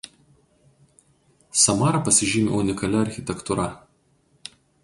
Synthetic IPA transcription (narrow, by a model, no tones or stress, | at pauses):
sɐmɑːɾɐpɐsʲɪʒʲiːmʲḛʊnʲɪkɐlʲɛɐɾʲxʲɪt̪ʲɛkt̪ʊɾɐ